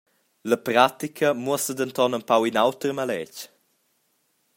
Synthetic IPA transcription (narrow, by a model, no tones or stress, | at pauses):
ləpɾat̪ikʰəmuəsədənt̪ɔnəmpawinawtɾəmalɛc